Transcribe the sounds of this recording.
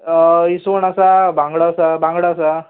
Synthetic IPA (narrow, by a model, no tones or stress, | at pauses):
isoɳasabʱãŋɡɽaːsabãŋɡɽaːsa